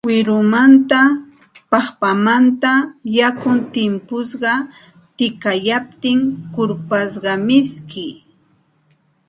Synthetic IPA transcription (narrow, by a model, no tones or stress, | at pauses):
wɪɾʊmant̪a | pɑχpamant̪ajakʊnt̪ɪmpʊsɢɑ | t̪ɪkajap̚t̪ɪŋkʊɾpasɢɑmɪskɪ